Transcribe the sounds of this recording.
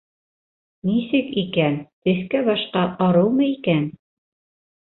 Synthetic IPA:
nisɘkikænt̪ɘ̆θkæβɑʃqɑʔɑɾɤwmɤikæn

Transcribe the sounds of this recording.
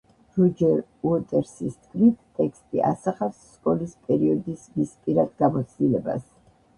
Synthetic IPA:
ɾɔd͡ʒɛɾuɔt̪ʼɛɾsist̪ʰʼkʼʰlit̪ʰt̪ʼɛkst̪ʼiʔa̰saχafsːkʼɔlispʼɛɾiɔd̪ismispʼiɾad̪ɡamɔt̪sʰd̪ilɛba̰s

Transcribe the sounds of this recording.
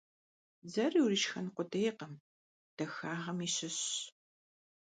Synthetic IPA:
zɐriwriʃxɐnqʷʊdɐjqəm | d̥ɐxaːʁɐmiːɕɪɕ

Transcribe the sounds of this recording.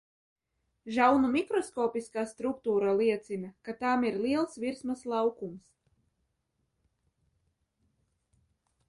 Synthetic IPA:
ʒawnumikɾɔskɔːpiskaːst̪ɾuk̚t̪uːɾalˠiɛt̪simʲɛkat̪aːmiɾlʲˠiɛlˠsviɾsmaslˠɑwkums

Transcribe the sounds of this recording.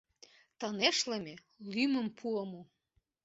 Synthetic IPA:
t̪ɑneʃlemʲe | lyməmpʰuəmo

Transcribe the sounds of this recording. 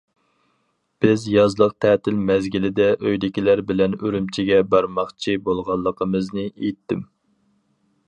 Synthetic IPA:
b̥ɪzjɑzlˠəq̚t̪ʰɛt̪ʰɪlmɛzɡʲilɪd̪ɛʔøjd̪ɪkʲilæɾbɪlɛnøɾymt͡ʃʰiɡʲɛbɑɾmɑχt͡ʃʰibolˠʁɑlˠːəqʰəmɨznɨejt̪ʰːɪm

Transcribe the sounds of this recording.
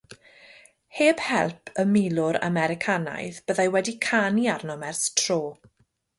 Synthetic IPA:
heːb̥hɛ̰lˠpʰəmɪlˠʊɾa̰mɛɾɪkʰana̰jðb̥əðajwɛdikʰaniarnɔmɛrstʰr̥oː

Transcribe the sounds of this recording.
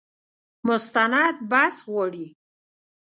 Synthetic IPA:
mʊst̪anad̪̚baswɔɽi

